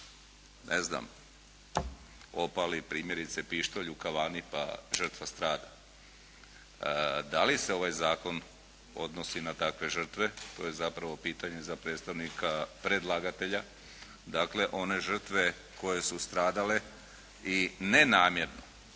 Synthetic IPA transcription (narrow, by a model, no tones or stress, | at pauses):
nʔḛzna̰m | o̞palipɾiːmje̞ɾit̪sepiʃt̪oʎukaʋaːnipa̰ʒr̩t̪ʋast̪ɾaːd̪a | d̪alise̞o̞ʋajzaːko̞n | o̞̰d̪no̞sinat̪akʋe̞ʒr̩t̪ʋe̞t̪o̞ːje̞zapɾaʋo̞piːt̪aɲe̞zapɾeːt̪st̪aʋnikapɾe̞d̪lˠaɡat̪e̞ʎa | d̪aːkle̞ʔo̞ne̞ʒr̩t̪ʋe̞ | ko̞je̞sust̪ɾaːd̪ale̞ | ine̞naːmje̞ɾno